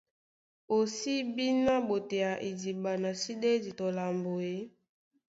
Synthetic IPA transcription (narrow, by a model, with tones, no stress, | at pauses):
o˨si˦bi˦na˦bo˨te˨ja˨ʔe˨di˨ba˨na˨si˦de˦di˨to˨la˨mbo˨e˦